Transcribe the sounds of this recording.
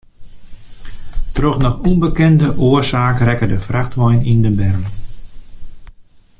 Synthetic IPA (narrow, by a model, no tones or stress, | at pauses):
trɔxnɔχunbəkɛndəʔoərsaːkrɛkədəfraxtʋɔjnindəbɛr